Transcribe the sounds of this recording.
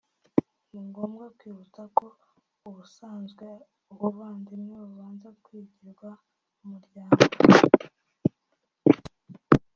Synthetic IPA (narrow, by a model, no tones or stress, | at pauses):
niŋɡo̞ːmɡakwiːβut͡sako | uβusaːnzɡwe | uβuβaːndimŋeβuβaːnzakwiːɟiɾɡwa | umuɾɟaːŋɡoo